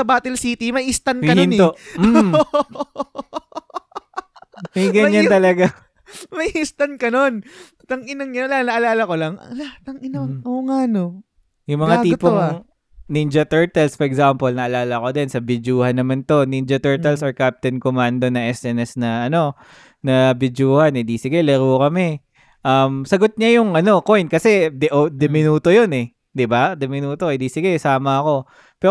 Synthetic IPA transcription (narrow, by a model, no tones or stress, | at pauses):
sɐbaːt̪ɛlsiːt̪imɐʔiʔɪst̪ankɐnhɪnt̪oʔm̩ | mɐjɡɐɲant̪ɐlɐɡa | mɐjst̪ɐnkɐno̞n | t̪ɐŋɪnɐŋɲɐnlanɐʔɐlaːlɐkolɐŋ̰lɐhat̪̚ɐŋɪnaŋʔoŋano | jʊŋmɐŋat̪iːpoŋ | nind͡ʒɐt̪ɛɹt̪ɐlsfɔɹɛɡsampolnɐʔɐlaːlɐko̞d̪ɪnsɐbɪd͡ʒuːhɐnːɐmant̪o̞nind͡ʒɐt̪ɛɹt̪ɐlsoɹkap̚t̪ɛnkomand̪o̞nɐŋʔɛsɛnɛsnɐʔɐno̞ | nɐbɪd͡ʒuːhɐnɪd̪isɪɡalɐɾukɐmɛ | ʔɐmsɐɡot̪̚ɲajʊŋɐno̞ko̞jnkɐsɛd̪ɛʔod̪ɛmɪnuːt̪o̞jo̞nɛ | d̪ɪbad̪ɛmɪnuːt̪o̞ʔɛd̪isɪɡasaːmɐɐko̞ | pɛ